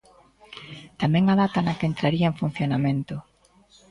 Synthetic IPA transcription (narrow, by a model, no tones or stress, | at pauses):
t̪amɛ̃ŋaðat̪anakeːnt̪ɾaɾiɐẽɱfun̟θjonamẽnt̪ʊ